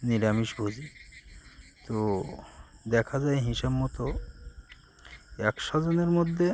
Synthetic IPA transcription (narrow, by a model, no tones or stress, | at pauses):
niɾamiʃbʱod͡ʑi | t̪o | d̪ɛkʰad͡ʑaeɦiʃabmɔt̪o | ɛkʃɔd͡ʑoneɾmod̪ʱːe